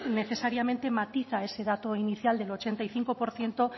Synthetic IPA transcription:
ne̞θe̞saɾjamẽnt̪e̞mat̪iθae̞se̞ðat̪oiniθjald̪elo̞t͡ʃe̞nt̪aiθiŋko̞po̞ɾθje̞nt̪o̞

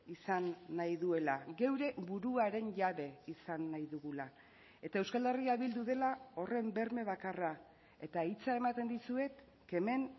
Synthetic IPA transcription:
isanːajðue̞laɣe̞wɾe̞βuɾuaɾe̞nʝaβe̞isanːajðuɣula | e̞t̪ae̞wskald̪eriaβild̪uðe̞lao̞re̞mbe̞ɾme̞β̞akara | e̞t̪ait͡sae̞mat̪e̞nd̪isue̞t̪ | ke̞me̞n

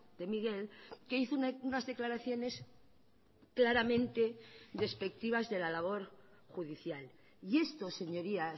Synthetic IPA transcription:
d̪̥e̞miɣe̞lke̞iθouunazðe̞klaɾaθjo̞nes | klaɾamẽnt̪ed̪e̞spe̞k̚t̪iβ̞azðe̞lalaβ̞o̞ɾ | xuðiθjal | ie̞st̪o̞se̞ɲo̞ɾia

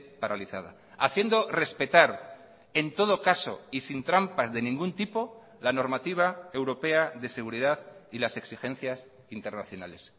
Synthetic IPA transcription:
paɾaliθað̞a̰ | aθje̞nd̪o̞re̞spe̞t̪aɾ | e̞nt̪o̞ð̞o̞kaso̰isint̪ɾampazðe̞nĩŋɡunt̪ipo̞ | lano̞ɾmat̪iβ̞ae̞wɾo̞pe̞aðe̞seɣ̞uɾið̞aðilase̞ksixe̞n̟θjas | int̪e̞ɾnaθjo̞nale̞s

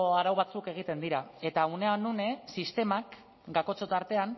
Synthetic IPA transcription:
oaɾawβat͡suke̞ɣ̞it̪e̞nd̪iɾae̞t̪auneanune̞sist̪e̞mak | ɡako̞t͡so̞t̪aɾt̪e̞an

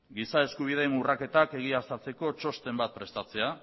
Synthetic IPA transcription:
ɡisae̞skuβ̞ið̞e̞ːnurake̞t̪ake̞ɣ̞iast̪at͡se̞ko̞t͡ʃo̞st̪e̞mbat̪̚pɾe̞st̪at͡se̞a

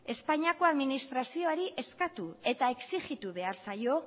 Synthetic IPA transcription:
e̞spaɲiako̞aðminist̪ɾasio̞aɾiʔe̞skat̪ue̞t̪ae̞ksiɣit̪uβe̞aɾsajo̞

